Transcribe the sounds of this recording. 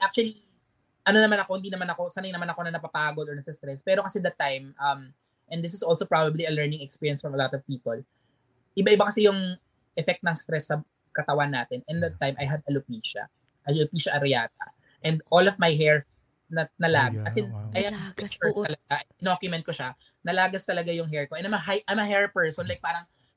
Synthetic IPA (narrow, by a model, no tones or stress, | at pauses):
ʔak̚t͡ʃʊɐli | ʔɐnonɐmanɐko̞hɪnd̪inɐmanɐko̞sɐnɐjnɐmanɐko̞nɐnɐpapaːɡolɔɹnɐsɐst̪ɾɛspɛːɾokɐsɛd̪ɐt̪ːajmʔɐm | ʔɛ̃nd̪ɪsɪsʔolsopɹabɐbliɐlɛɹnɪ̃ŋɛkspiːɹjɐnsfɔmɐlɔt̪ɔvpiːpol | ʔɪbaʔɪbakɐsɛjʊŋ | ʔɛfɛk̚t̪nɐŋst̪ɾɛsːɐ | kɐt̪ɐwanːaːt̪ɛnɛ̃nd̪ɐt̪ːajmɐjɦɐd̪ɐlʊpiːʃɐ̰ | ʔɐlʊpiːʃɐʔɐɾɪjaːt̪ɐ̰ | ʔɛ̃nd̪ʔolɔvmajɦɛɹ | nɐnɐlaːɡkɐsɛnɐjhɐɛspɛst̪ɐlɐɡaʔɐd̪okjʊmɛ̃n̚koʃa | nɐlaːɡɐst̪ɐlɐɡajʊŋɦɛɹkoʔɛ̃nɐmɐɦajʔamɐɦɛɹpɛɹsɔ̃nlajk̚paːɾɐŋ